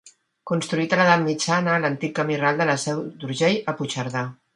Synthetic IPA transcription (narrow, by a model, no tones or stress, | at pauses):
kunst̪ɾuit̪ələðat̪mit͡ʃanəːlənt̪ikːəmiralˠd̪ələsɛwd̪uɾʒejəput͡ʃəɾða